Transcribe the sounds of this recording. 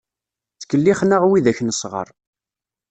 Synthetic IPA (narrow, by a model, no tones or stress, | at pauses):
θkəlːiχnaʁwiðæçnəsʁə̰ɾˤ